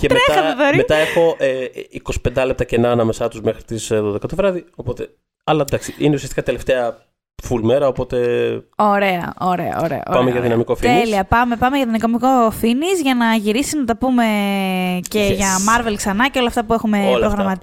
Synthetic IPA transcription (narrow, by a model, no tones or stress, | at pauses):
cet̪meɾet̪xɐoðoɾimet̪ɐexo̞ʔeiko̞si̥pe̞nd̪ɐlep̚t̪ɐcenɐːnɐme̞sɐt̪uzmexɾit̪isðoðekɐt̪ovɾɐðio̞po̞t̪e̞ | ɐlɐd̪ɐksiineusiɐst̪ikɐt̪e̞le̞ft̪eɐ | fulme̞ɾɐopo̞t̪e̞o̞ɾe̞ɐ̰oɾḛɐ̰o̰ɾḛɐ̰pɐmeʝɐðinɐmikofieliɐpɐme̞pɐmeʝɐt̪onikomiko̞finizʝɐnɐʝiɾisiznɐt̪ɐpume̞ | ce̞ʝɐmɐɾve̞lksɐnɐceo̞lɐft̪ɐpuexume̞pɾoɣɾɐɐmɐ